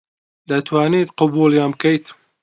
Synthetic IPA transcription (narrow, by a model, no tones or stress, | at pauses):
d̪ɐt̪ʰwaːniːt̪qʊbuljɑːnb̚kɐjt̪